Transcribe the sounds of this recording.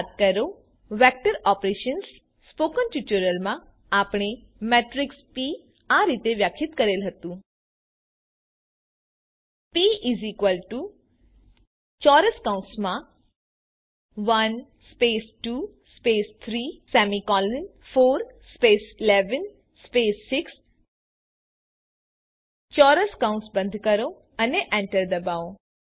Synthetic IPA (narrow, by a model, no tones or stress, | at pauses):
t̪̚kəɾo | ʋɛk̚ʈəɾɔpɾeʃəns | spokənʈjut͡ʃuɾəlmã | apɳ̃e | mɛʈɾikspi | aɾit̪eʋjakʰɪt̪kəɾelɦət̪ũ | piizikʋəlʈu | t͡ʃɔɾəskaũnsmã | ʋɐn | speːsʈuː | speːst̪ʰɾiːsɛːmikɔːlɪnfʰoːɾspeːsɪleːʋən | speːsːɪks | t͡ʃɔːɾəskãʊ̃nsbə̃nd̪ʱkəɾo | ɐneʔɛ̃ɳʈəɾd̪ɐbaːõ